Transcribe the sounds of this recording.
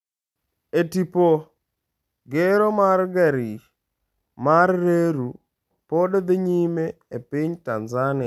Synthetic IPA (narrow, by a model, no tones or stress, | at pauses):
etipo | ɡeɾomarɡɛɾɪ | marːeɾu | podɔd̪eɲimeːpɪɲtanzanɪ